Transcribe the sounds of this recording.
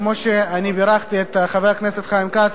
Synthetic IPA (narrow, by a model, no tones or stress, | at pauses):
moʃeanibeɾaχt̪iet̪aχaveʁkneset̪χaimkat͡s